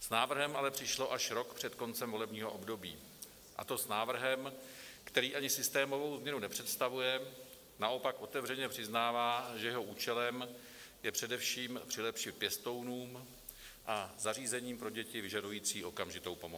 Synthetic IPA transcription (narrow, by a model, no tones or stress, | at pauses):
snaːvr̩ɦɛmʔalɛpr̥ɪʃlo̞ʔaʃɾo̞kpr̥ɛt̪ko̞nt͡sɛmvo̞lɛbɲiːɦo̞ʔo̞bdo̞bḭː | ʔa̰t̪o̞snaːvr̩ɦɛmkt̪ɛɾiːʔaɲɪsɪst̪ɛːmo̞vo̞wzmɲɛnunɛpr̥ɛt̪st̪avujɛ | naʔo̞pakʔo̞t̪ɛvrɛɲɛpr̥ɪznaːvaːʒɛjɛɦo̞ʔuːt͡ʃɛlɛm | jɛpr̝̥ɛdɛfʃiːmpr̥ɪlɛpʃɪpjɛst̪o̞wnuːm | ʔazariːzɛɲiːmpɾo̞ɟɛcɪvɪʒadujiːt͡siːʔo̞kamʒɪt̪o̞wpo̞mo